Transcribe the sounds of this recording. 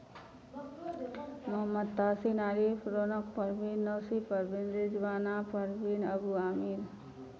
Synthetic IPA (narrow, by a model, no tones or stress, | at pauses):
mɐɦəmːəd̪̚t̪aːsinaːɾiːpʰɾonəkpɐɾbiːnːoːsipɐɾbend̪ɾid͡ʒʋaːnapɐɾbiːnɐbuaːmiːɾ